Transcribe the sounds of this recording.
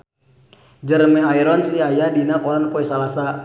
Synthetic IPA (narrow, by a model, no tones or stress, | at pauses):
d͡ʒərmɛaiɾɔnsiajadinakɔlankuɛsalasa